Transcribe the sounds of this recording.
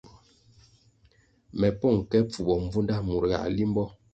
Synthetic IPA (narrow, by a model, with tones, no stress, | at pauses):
mɛ˨pɔ˦˨ŋkɛ˦p͡fu˨bɔ˨ɱ˦b͡vu˦nda˦mu˨ɾɣa̰˨li˦m˦bɔ˦